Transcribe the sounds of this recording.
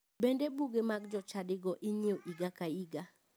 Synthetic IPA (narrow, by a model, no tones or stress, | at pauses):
bendebuɡemaɡd͡ʒɔt͡ʃadɪɡɔʔɪɲioʔiɡakaiɡa